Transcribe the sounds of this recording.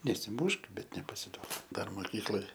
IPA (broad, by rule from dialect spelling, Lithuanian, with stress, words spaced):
nʲɛsʲɪˈmʊʃk ˈbʲɛt nʲɛpɐsʲɪˈduɔk ˈdɐr moːˈkʲiːklˠoːj